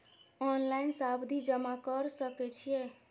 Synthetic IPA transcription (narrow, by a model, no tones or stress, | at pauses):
ɔnlainsabd̪ʱid͡ʒəmakəɾsəkɛt͡ʃʰije